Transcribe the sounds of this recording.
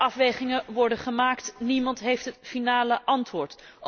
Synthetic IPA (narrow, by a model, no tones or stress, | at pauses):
ɑfʋejχɪŋəʋɔɹdəχəmaːktnimɑntɦejftɦətfinaːləʔɑntʋʊːɹt